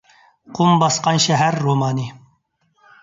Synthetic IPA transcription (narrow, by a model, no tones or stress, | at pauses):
qʰumbɑsqɑnʃɛɦæɾːomɑːni